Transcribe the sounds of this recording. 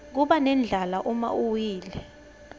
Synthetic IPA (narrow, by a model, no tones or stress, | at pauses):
k̬uɓanɛnd͡ɮʱalaʔuma̰uwiːlɛ